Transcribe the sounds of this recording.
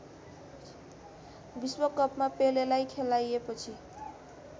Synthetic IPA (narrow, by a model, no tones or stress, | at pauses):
biswʌkʌpmapelelajkʰelajepʌt͡sʰi